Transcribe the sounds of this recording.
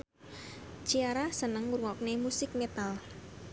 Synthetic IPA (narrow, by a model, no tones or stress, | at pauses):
t͡ʃiaɾasənəŋuɾuŋɔk̚nemusɪk̚met̪al